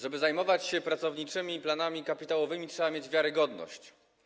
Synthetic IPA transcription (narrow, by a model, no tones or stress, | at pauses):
ʐɛbɘzajmɔvat͡ɕɕɛpɾat̪sɔvɲit͡ʂɘmʲiplanamʲikapʲit̪awɔvɘmʲitʂɛbamʲjed͡ʑvʲjaɾɘɡɔd̪nɔ̰ɕt͡ɕ